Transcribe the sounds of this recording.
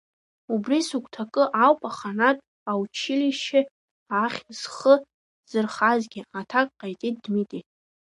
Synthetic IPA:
ubrisukʷʰʼtʰakʼɨʔawpʼaχanatʼ | awt͡ʃʰiliʃɪ | aχʲz̥χə | z̥ɨrχazɡʲɪatʰakʼqʼajtʼit̚dmitʼit

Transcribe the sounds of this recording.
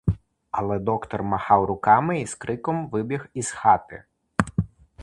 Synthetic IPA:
ɐlˠɛd̪ɔkt̪ɔrmɐxɑwɾʊkɑmɪiskɾɪkɔmʋɪbʲiɣiz̥xɑt̪ɪ̰

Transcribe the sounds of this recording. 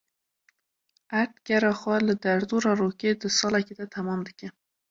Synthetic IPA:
aʈ̪kaɾaxwaləd̪aɾd̪uɾɑɾoked̪əsɑlaked̪at̪ʰamɑmd̪əkʲe

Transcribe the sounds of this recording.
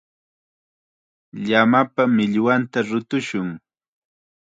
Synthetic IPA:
ʎamapamɪʎwant̪aɾʊt̪ʊʃʊŋ

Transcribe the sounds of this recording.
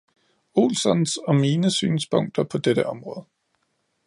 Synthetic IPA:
o̝̰ːlsɒnsɒ̽miːnəsy̰ːnspʰɔ̽ŋ̰d̥ɐpʰɒ̽d̥eɾ̥əʔɒ̽mʁɔ̽ːð̞ˠə

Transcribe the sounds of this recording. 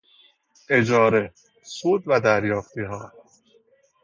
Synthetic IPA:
ed͡ʒɒːɾe | suːd̪væd̪æɾjɒːft̪iɦɒː

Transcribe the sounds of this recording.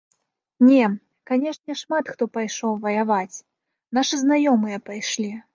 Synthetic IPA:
nʲɛ | kanʲɛʂnʲɛʂmat̪xt̪ɔpajʂɔwvɐjavat͡sʲ | naʂɨznajɔmɨjɐpajʂlʲi

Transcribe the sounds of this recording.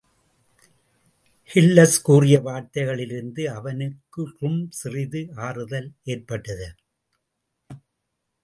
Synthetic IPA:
hɪlːɐskuːrɪjɐʋaːɾt̪ɐɪɣɐɭɪɾɯnd̪ɯɐʋɐnɯkːɯʊmsɪrɪðɯaːrɯðɐleːrpɐʈːɐðɐ

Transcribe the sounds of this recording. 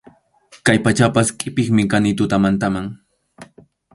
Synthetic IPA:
kajpat͡ʃapaskʼɪpɪχmɪkanɪt̪ʊt̪amant̪amaŋ

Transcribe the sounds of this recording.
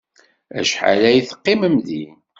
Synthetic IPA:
æ̰ʃħa̰læjiθə̥qːiməmði

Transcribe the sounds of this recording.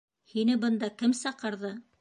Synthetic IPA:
hinɘbɤ̆nd̪ɑkɘmsɑqɤ̆ɾðɤ

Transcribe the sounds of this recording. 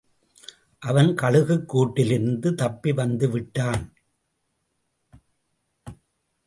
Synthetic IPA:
ʔɐʋɐnkɐɻɯɣɯkːuːʈːɪlɪɾnd̪ɯt̪ɐpːiʋɐnd̪ɯʋɪʈːaːn

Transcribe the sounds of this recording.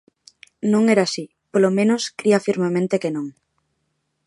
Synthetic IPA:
nõŋɛɾasi | polomẽnoskɾiafiɾmemẽnt̪ekenõŋ

